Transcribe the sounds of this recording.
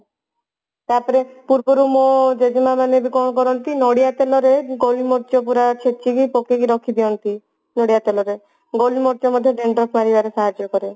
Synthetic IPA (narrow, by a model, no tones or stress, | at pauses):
t̪aɾpɔɾepuɾbɔɾumod͡ʒed͡ʒmamanebikɔnɔkɔɾɔnt̪inɔɽijat̪elɔɾeɡolimɔɾt͡ʃɔpuɾat͡ʃʰet͡ʃikipɔkekiɾɔkʰid̪iɔnt̪i | nɔɽijat̪elɔɾe | ɡolimɔɾd͡ʒɔmɔd̪ʱjɔɖeɳɖɾɔkmaɾibaɾesaɦad͡ʒːɔkɔɾe